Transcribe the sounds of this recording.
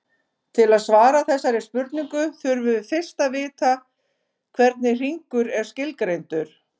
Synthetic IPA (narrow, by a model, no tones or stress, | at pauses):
t̪ʰɪlaðsvaːɾaθɛsːaɾɪ̥spʏɾt̪niŋkʏθʏɾvʏðfɪr̥st̪avɪːt̪a | kʰvɛɾt̪nɪr̥iŋkʏɾɛɾ̥scɪlkɾejnt̪ʏɾ̥